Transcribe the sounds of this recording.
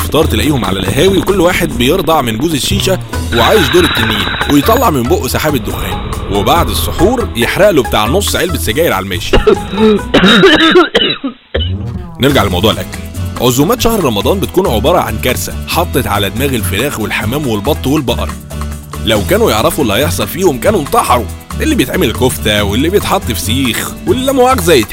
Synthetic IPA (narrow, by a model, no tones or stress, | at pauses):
eft̪ɑːɾˤt̪elæʔiːhomʕa̰læ̰lʔæ̰ɦæːwikolːwaːħed̪̚bejeɾd̪ˤɑʕmenɡuːzeʃːiːʃæ | weʕaːjezd̪oːɾet̪ːænːiːnwejet̪ˤːɑlːɑʕmemboʔsaħaːbed̪ːohæːn | webaʕd̪esˤːoħuːɾjeħɾæʔlobet̪a̰ːʕnosˤːʕelbesːæɡæːjelʕa̰lmḛːʃ | neɾɡaʕʔelmɑ̰wd̪ˤuːʕelʔækːælʕozuːmæːt̪ʃæhɾɾˤɑmɑd̪ˤɑːnbet̪̚kuːnʕobɑːɾˤɑʕa̰nkæɾˤsæħɑt̪ˤːet̪ʕa̰læd̪mæːɣelfeɾæːxwelħamæːmwelbɑt̪ˤːwelbɑʔɑ̰ɾˤ | læwkæːnujeʕɾˤɑfuʔelːhɑjeħsˤɑlfiːhomkæːnunt̪ˤɑħɑɾˤu | ʔelːiːbejet̪ʕeːmelkoft̪æwelːibejet̪ħɑt̪ˤːfsiːxwelːæmæʕæːqzæjːt̪